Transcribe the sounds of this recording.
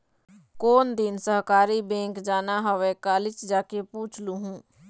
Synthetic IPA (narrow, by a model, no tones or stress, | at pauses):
koːnd̪ɪnsəɦkaːɾibɛ̃ːŋkd͡ʒaːnaɦɔʋekaːlɪt͡ʃd͡ʒaːkepuːt͡ʃʰluɦũː